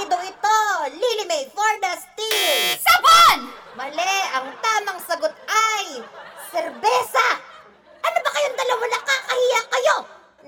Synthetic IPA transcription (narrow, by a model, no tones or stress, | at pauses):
d̪oɪt̪o̞lilɪmɛjfoɹnɐst̪isɐbanmɐlɛʔɐŋt̪aːmɐŋsɐɡot̪̚ajsɛɾbɛsɐ | ʔɐnobɐkɐjond̪ɐlɐwɐlakakɐhiːjɐkɐjo